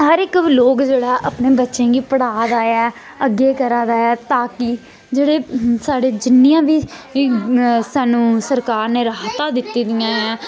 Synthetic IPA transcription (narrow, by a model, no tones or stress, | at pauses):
ɦəɾɪkloːkd͡ʒeːɽaːʔəpneːbətːʃẽːɡiːpəɽaːd̪aːɛː | əɡeːkəɾãːd̪aːjɛːt̪aːkiː | d͡ʒeːɽeːsaːɖeːd͡ʒɪnːɪjãːbiː | saːnũːsəɾkaːɾneːɾaɦt̪aːd̪ɪt̪ːiːd̪ɪjãːɦɛ̃ː